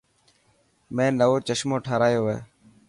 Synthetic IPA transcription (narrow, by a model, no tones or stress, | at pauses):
mẽːnəʋoːt͡ʃəʃmoːʈʰaːɾaːjoːʋḛː